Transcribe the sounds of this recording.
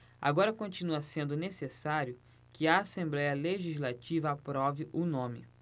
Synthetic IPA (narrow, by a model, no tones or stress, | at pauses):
a̰ɡɔɾɐkõt͡ʃinuɐsẽnd̪ʊnesesaɾjʊ | kɪɐːsẽmblɛjɐleʒizlat͡ʃivɐapɾɔvɪʔʊnõmɪ̰